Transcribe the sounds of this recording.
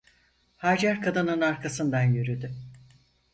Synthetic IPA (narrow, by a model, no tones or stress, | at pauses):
haːd͡ʒæɾkʰad̪ɯnɯnaɾkʰasɯnd̪anjyɾyd̪y